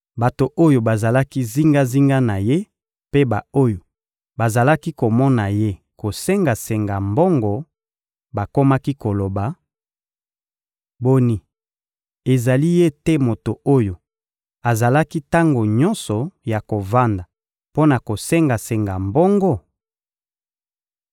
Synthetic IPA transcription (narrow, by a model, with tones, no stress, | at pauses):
ba˨to˨ʔo˦jo˨ba˨za˨la˦ki˦zi˦ŋɡa˦zi˦ŋɡa˦na˨je˦ | pe˦ba˨o˦jo˨ | ba˨za˨la˦ki˦ko˨mɔ˦na˨je˦ko˨se˦ŋɡa˨se˨ŋɡa˨mbɔ˦ŋɡɔ˨ | ba˨ko˦ma˦ki˦ko˨lo˨ba˨ | bo˦ni˨ | e˨za˨li˦je˦te˦mo˨to˨o˦jo˨ | a˨za˨la˦ki˦ta˦ŋɡo˨ɲɔ˦nsɔ˨ja˨ko˨va˦nda˨ | po˦na˨ko˨se˦ŋɡa˨se˨ŋɡa˨mbɔ˦ŋɡɔ˦